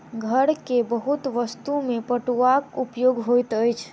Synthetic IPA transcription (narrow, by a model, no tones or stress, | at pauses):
ɡʱəɾkebəɦut̪ʋəst̪umepəʈuakupjoɡɦojt̪əjt͡ʃʰ